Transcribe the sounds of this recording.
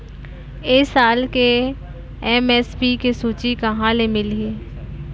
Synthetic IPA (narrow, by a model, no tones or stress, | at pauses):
eːsaːlke | ɛmeːspikesuːt͡ʃikɐɦãlemɪleː